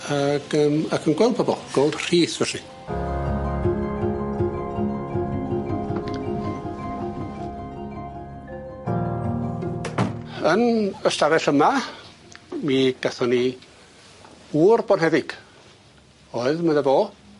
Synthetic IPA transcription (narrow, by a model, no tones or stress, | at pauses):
aɡəːmakʰənɡwɛlˠdbʰɔbɔlˠɡ̥olˠd̥r̥iːsvɛɬi | ənəstavɛɬəma | miːɡ̥aθɔni | uːrbɔnɦɛðɪɡ̥ | ɔɨðməðəboː